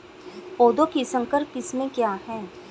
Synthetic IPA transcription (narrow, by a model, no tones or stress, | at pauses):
poːd̪okisə̃ŋkəɾkɪsmẽkjaːɦɛː